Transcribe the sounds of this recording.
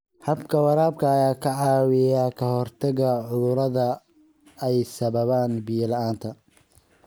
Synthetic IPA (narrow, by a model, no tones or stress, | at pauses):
hɐbkʰɐwɑɾaːbkʰɐːjaːkʰɐʕɑːwɪjakʰɐhɔrt̪ʰɐɣɐʕʊðʊɾɐðɐ | ɛjsɐβɐβaːnbiːlɐʔaːnt̪ʰɐ